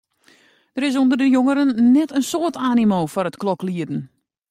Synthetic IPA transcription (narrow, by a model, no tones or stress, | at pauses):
d̥əɾɪs̬ondərdəjoŋəɾənːɛtənsoːərtaːnimoːfɔrətklɔkliədn̩